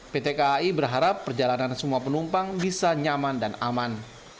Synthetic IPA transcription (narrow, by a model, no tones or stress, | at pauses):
pet̪ekaibərɦaɾapːərd͡ʒalanansəmuapənumpaŋbisaɲamandanaman